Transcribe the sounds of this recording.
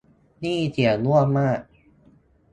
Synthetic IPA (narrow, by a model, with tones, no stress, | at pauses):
niː˥˩t̪ʰi˨˩˦ənu˥˩əmaː˥˩k̚